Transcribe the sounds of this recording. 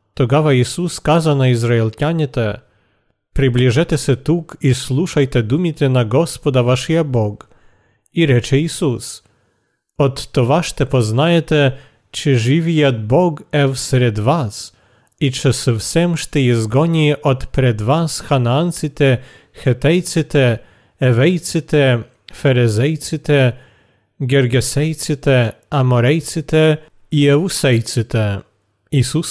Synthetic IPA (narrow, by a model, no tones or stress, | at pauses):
t̪ɔɡavaisuskazanaizɾaɛlʲtʲaɲʲɛt̪ɛ | pɾɨblʲiʐɛt̪ʲɛsɛt̪ukisluʂajt̪ɛd̪umʲit̪ʲɛnaɡɔspɔd̪avaʂjabɔk | iɾɛt͡ʂɛisus | ɔt̪ːɔvaʂt̪ɛpɔznajɛt̪ɛ | t͡ʂɨʐɨvʲijad̪̚bɔɡɛfsɾɛd̪vas | it͡ʂɛsɨfsɛmʂt̪ɛjɛzɡɔɲʲiʔɔt̪pɾɛd̪vasxanaant̪sɨt̪ɛ | xɛt̪ɛjt̪sɨt̪ɛ | ɛvɛjt̪sɨt̪ɛ | fɛɾɛzɛjt̪sɨt̪ɛ | ɡʲɛɾɡʲɛsɛjt̪sɨt̪ɛ | amɔɾɛjt̪sɨt̪ɛ | iɛvusɛjt̪sɨt̪ɛ | isus